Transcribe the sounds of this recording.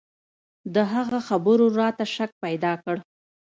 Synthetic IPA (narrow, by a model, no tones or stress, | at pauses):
d̪əɦaɣaxabəɾoɾɑt̪aʃak̚pajd̪ɑkəɽ